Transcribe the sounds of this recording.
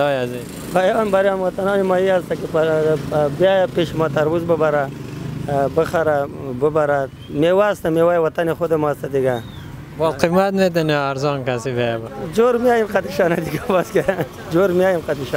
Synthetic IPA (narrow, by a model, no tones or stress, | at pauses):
jazi | bajɑːnbaɾjɑnwat̪anɑnemɑiast̪akepa | bajpeʃimɑt̪aɾwuzbəbaɾa | bəχaɾabəbaɾa | mewast̪amewajwat̪anexod̪emɑst̪ad̪iɡa | bɔlqimat̪met̪̬aneaɾzɑnkasibabad͡ʒoɾmiajimqat̪iʃɑnad̪iɡabaske | d͡ʒoɾmiajimqat̪iʃɑ